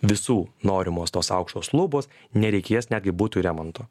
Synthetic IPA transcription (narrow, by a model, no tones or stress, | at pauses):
ʋʲɪsuːnoːɾʲɪmoːst̪oːsɑʊkʃt̪oːslˠuːboːs | nʲɛɾʲɛɪkʲeːjɛsnʲæːd̪ʲɡʲɪbuːt̪ʊɾʲɛmoːnt̪oː